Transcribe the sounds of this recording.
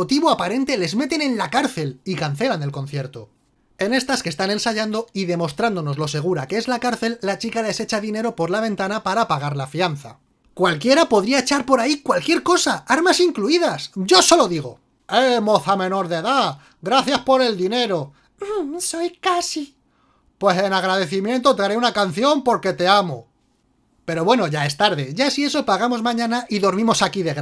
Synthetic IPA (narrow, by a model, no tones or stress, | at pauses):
ot̪iβoapaɾe̞nt̪e̞le̞zme̞t̪e̞nẽ̞nlakaɾθe̞likan̟θe̞lane̞lko̞n̟θje̞ɾt̪o | e̞ne̞st̪aske̞st̪ane̞nsaʝand̪o̞iðe̞mo̞st̪ɾand̪o̞no̞zlo̞se̞ɣ̞uɾakeezlakaɾθe̞lːat͡ʃikale̞se̞t͡ʃaðine̞ɾo̞po̞ɾlaβ̞ẽ̞nt̪anapaɾapaɣ̞aɾlafianθa̰ | kwalkje̞ɾapo̞ðɾiae̞t͡ʃaɾpo̞ɾaikwalkje̞ɾko̞saaɾmasiŋkluiðasɟ͡ʝo̞so̞lo̞ðiɣ̞o̞̰ | emo̞θamẽ̞no̞ɾðe̞ða | ɡɾaθjaspo̞ɾe̞ld̪ine̞ɾo̞ | sojkasi | pwe̞se̞naɣɾaðe̞θimjẽ̞nt̪o̞t̪eaɾeunakan̟θjo̞mpo̞ɾke̞t̪e̞amo̰ | pe̞ɾo̞βwe̞no̞ʝae̞st̪aɾðe̞ʝasie̞so̞paɣ̞amo̞zmãɲãnaʔiðo̞ɾmĩmo̞sakiðeɣ